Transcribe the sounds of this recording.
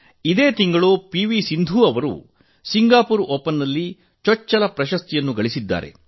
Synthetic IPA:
id̪e̞ːt̪iŋɡɐɭupiʋisind̪ʱuːɐʋɐɾṵ | siŋɡaːpuɾoːpɐnːɐlːi | t͡ʃɔt͡ʃːɐlɐpɾɐʃɐst̪ijɐnːuɡɐɭisid̪ːa̰ːɾe̞̰

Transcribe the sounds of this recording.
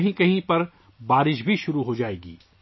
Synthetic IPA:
ɦĩkɐɦĩpɐɾ | baːɾɪʃbʱiʃʊɾuɦod͡ʒaːeːɡiː

